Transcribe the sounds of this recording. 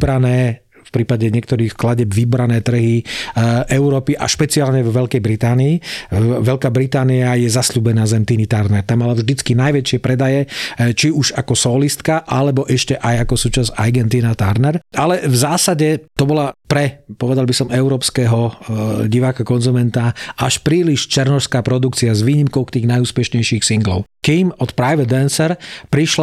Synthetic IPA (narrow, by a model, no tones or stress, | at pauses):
bɾanɛː | fpɾiːpaɟɛɲɪɛk̚t̪ɔɾiːxklaɟɛbʋibɾanɛːt̪r̩ɦiʔɛʊɾɔːpiʔa̰ʃpɛt͡siaːlɲɛvɔʋɛlkɛjbɾit̪aːniːʋɛlkaːbɾit̪aːniajɛzasluːbɛnaːzɛmt̪init̪aɾnɛɾt̪amːalavʒd̪it͡skinajʋɛt͡ʃɪɛpɾɛd̪ajɛt͡ʃiuʃakɔsɔːlist̪kaʔalɛbɔʔɛʃcɛʔajakɔsuːt͡ʃazaɾɡɛnt̪inat̪aɾnɛɾalɛvzaːsaɟɛt̪ɔbɔlapɾɛpɔʋɛd̪albisɔmɛʊɾɔːpskɛɦɔɟiʋaːkakɔnzumɛnt̪aaʃpɾiːliʃt͡ʃɛɾnɔʃskaːpɾɔd̪ukt͡siazʋiːɲimkɔʊkt̪iːɣnajuːspɛʃɲɛjʃiːxsiŋɡlɔ̰ʊkimɔt̪pɾajʋɛd̪ɛnsɛɾpɾiʃl